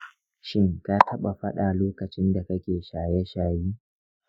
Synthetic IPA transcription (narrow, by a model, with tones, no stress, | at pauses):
ʃɪ˦ŋka˦tʰɐ˦ɓa˨ɸɐ˦ɗaː˨loː˦kɐ˨t͡ʃɪ˦nda˨kɐ˦kʲeː˨ʃaː˨jɛ˦ʃaː˨jiː˦